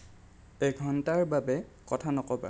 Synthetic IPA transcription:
eɡʱɔntaɹbabɛkɔtʰanɔkɔba̰

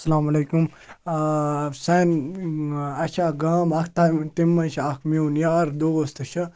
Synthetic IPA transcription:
sɐlaːmɐleːkum | sɛn | ɐt͡ʃʰaːɡaːmɐkʰt̪amt̪imːɐnʃʰiɐkʰmiwnjaɾd̪oːɡost̪ɨʃʰɐ

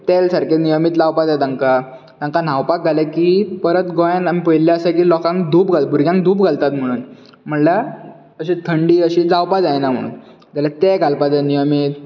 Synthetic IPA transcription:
t̪elsaɾkenijəmiːt̪lawpad͡z̪ajt̪aŋka | t̪ãŋkan̤awpak̚ɡʱalakiːpəɾət̪ɡɔjãnam̤ipəjlːjaəsək̬iːlɔkãŋkd̪ʱuːpɡʱalt̪̚bʱuɾɡjãŋkd̪ʱuːpɡʱalt̪at̪m̤əɽ̃uːn | m̤əɳlə | əɕit̪ʰəɳɖiːəɕid͡zawpad͡zajnam̤ə̰ɽ̃ṵːn | d͡zalat̪eɡʱalpad͡zanijəmiːt̪

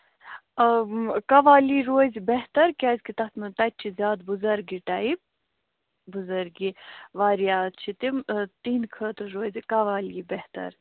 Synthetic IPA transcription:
kɐʋaːliːɾoːzʲbeɦt̪ɐɾkʲaːzʲkit̪ɐt̪mɨt̪ɐt̪̚ʲt͡ʃʰizʲaːd̪buzɐɾɡiʈɐib̚ | buzɐɾɡiʋaːɾijaːt͡ʃʰit̪imt̪inkʰəːt̪ɾɾoːzʲikɐʋaːliːbeht̪ɐ̰ɾ

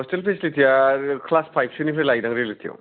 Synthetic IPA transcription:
ɔstelpʰeslitʰijakʰlaspʰajp̚ʰsʰunipʰeɾlajdaŋɾelitʰija̰

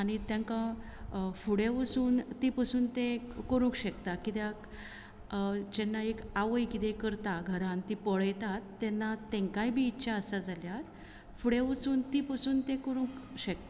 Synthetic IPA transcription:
aɽ̃it̪jãŋkã | fuɽeʋəsuːnt̪ipəsuːnt̪ẽkəɾũŋkɕɛkt̪akit̪jak | d͡ʑenːaekaʋəjkit̪ekəɾt̪aɡʱəɾãnt̪ipəɭəjt̪at̪ːɛnːat̪ɛ̃ŋkajbʱiːtːɕaəsad͡zaljat̪ | fuɽeʋəsuːnt̪ipəsuːnt̪ẽkəɾũkɕek̚t̪a

